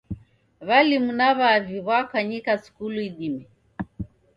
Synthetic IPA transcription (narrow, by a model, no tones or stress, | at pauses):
βalimunaβaːviβwakaɲikasu̥kuluiɗimi